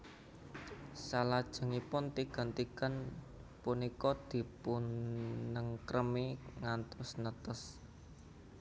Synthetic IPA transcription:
salad̥ʒ̥ə̤ŋipʊnt̪iɡ̥a̤nt̪iɡ̥a̤n | punikɔd̪̥i̤pu | nəŋkɾʔəmiŋant̪ʊsnət̪əs

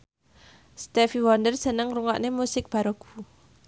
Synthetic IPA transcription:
st̪ɛfiwɔnd̪ərsənəŋruŋɔʔnemusɪk̚b̥a̤ɾoɡ̥u

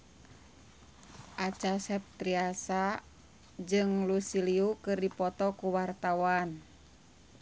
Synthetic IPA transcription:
ʔat͡ʃasɛp̚t̪ɾiasa | d͡ʒɨŋlusiliukɨrdipɔt̪ɔkuwart̪awan

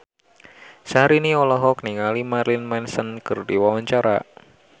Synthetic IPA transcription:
səɦaɾiniɔlɔɦɔkniŋalimaɾlinmansənkɨrdiwawaɲt͡ʃaɾa̰

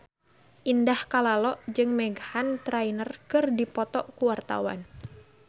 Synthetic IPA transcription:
ʔindahkalalɔʔd͡ʒɨŋmɛɡahant̪ɾajnərkɨrdipɔt̪ɔʔkuwart̪a̰wa̰n

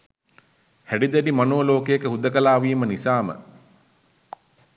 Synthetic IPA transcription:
hæɖid̪ɛɖimanoːloːkejəkəɦud̪əkəlaːʋiːmənisaːmə̰

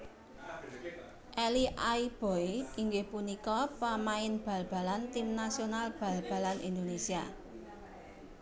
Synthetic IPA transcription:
ʔɛliʔaib̥o̤jiŋɡɪhpunikɔpamaɪnb̥a̤lb̥a̤lant̪imnasionalb̥ä̤lb̥ä̤lanʔind̪onesia

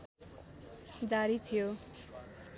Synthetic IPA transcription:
d͡zaɾit̪ʰijo

